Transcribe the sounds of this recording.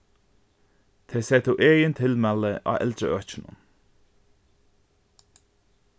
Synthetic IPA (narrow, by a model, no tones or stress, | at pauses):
t̪ʰeːseːt̪ʰuːʔeːjənt̪ʰɪlmɛləʔɑ̰ːʔɛ̰ld̪ɾəœːc͡çənə̰n